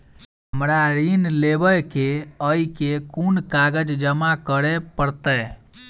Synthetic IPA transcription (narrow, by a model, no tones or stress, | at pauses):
ɦəmɾaɾinlebəjkeəikekunkaɡəd͡ʒd͡ʒəmakəɾepəɾt̪ɛ